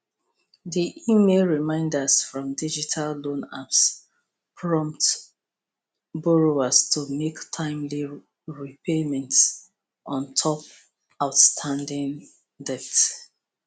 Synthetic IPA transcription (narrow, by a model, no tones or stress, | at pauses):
ðiʔimelɹimãɪ̃ndəsfɹɔ̃mdid͡ʒitʰalːõna̰ps | pʰɹɔ̃mp̚t | bɔɹoastʰumektʰãɪ̃mli | ɹipʰemɛ̃nts | ʔɔ̃ntʰɔp | aʊtstʰãndĩŋ | dɛt